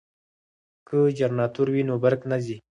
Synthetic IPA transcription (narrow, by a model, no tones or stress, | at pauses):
kəd͡ʒaɾnɑt̪uɾwinobaɾknazi